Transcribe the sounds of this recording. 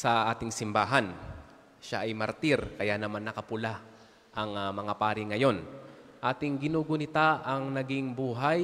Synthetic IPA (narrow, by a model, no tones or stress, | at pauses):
sɐʔaːt̪ɪŋsɪmbaːɦɐn | ʃaʔɐjmɐɾt̪iɾkɐjanɐmanːɐkɐpʊla | ʔɐŋmɐŋapaːɾɪŋɐjo̞nʔaːt̪ɪŋɡɪnuːɡonɪt̪aʔɐŋnɐɡɪŋbuːɦaj